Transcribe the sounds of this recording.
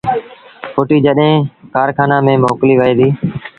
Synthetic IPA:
fʰoːʈiːd͡ʒəɗɦẽːkaːɾkʰaːnãːmẽːmoːkliːʋəeːd̪iː

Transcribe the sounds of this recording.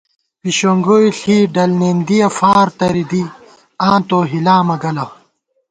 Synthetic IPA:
piɕoŋɡojɬiːɖɐlneːnd̪ijɐfaːɾt̪ɐɾid̪i | ãːt̪oːɦilaːmɐɡɐlɐ

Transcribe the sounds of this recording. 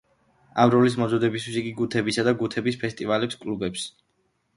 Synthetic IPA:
amɾɔlis̬mɔzɔd̪ɛbist̪ʰwisiɡiɡut̪ʰɛbisad̪aɡut̪ʰɛbispʰɛst̪ʼivalɛpskʼlubɛps

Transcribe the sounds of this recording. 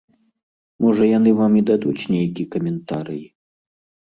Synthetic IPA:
mɔʐɐjan̪ɨvamid̪ad̪ut͡sʲnʲejkʲikɐmʲɛnt̪aɾɨji

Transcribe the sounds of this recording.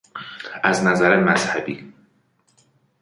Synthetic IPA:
æznæzæɾemæzhæbiː

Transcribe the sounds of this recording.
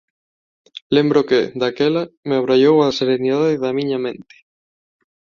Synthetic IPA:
lembɾoked̪akelameaβɾaʎowaseɾeniðaðeðamiɲamẽnt̪e̥

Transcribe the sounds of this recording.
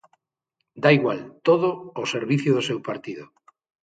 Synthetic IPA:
d̪aiɣwalt̪oðoːseɾβiθjʊðosewpaɾt̪iðo

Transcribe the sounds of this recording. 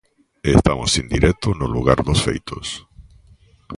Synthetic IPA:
est̪amosind̪iɾʔɛt̪ʊnʊluɣaɾðʊsfḛjt̪ʰo̰s

